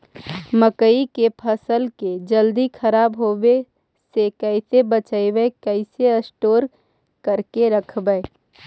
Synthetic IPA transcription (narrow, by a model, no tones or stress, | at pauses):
məkəikepʰəsəlked͡ʒəld̪ikʰɐɾaːbɦoːwe | sekəɪsebət͡ʃəeʋeekəɪseəsʈoːɾ | kəɾkeɾəkʰbəe